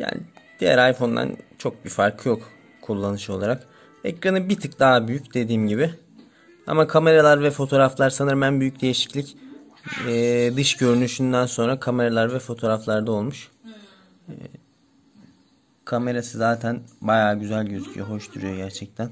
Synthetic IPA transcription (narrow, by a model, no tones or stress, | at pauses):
ja̰ːnid̪̥ijæ̰ɾajfo̞nd̪a̰nt͡ʃʰo̞k̚bifaɾkʰɯjo̞k | kʰulˠːanɯʃo̞lˠaɾak | ɛ̰cɾanɯbit̪ʰɯk̚d̪aɦbyjycd̪e̞d̪iːmɟibɪ | a̰makʰame̞ɾalˠaɾvɛfo̞t̪ʰo̞ːɾaflˠaɾsanɯɾmænbyjycd̪e̞jiʃi̥clʲicː | d̪ɯʃɟø̞ɾynyʃynd̪ænso̞nɾakʰame̞ɾalˠaɾvɛfo̞t̪ʰo̞ɾaflˠaɾd̪ao̞lˠmuʃ | kʰame̞ɾasɯzaːt̪ʰænbajaːɟyzælʲɟøzycʰy̰jɛɦo̞ʃt̪ʰuɾujo̞ɟæɾt͡ʃʰɛc̚t̪ʰæn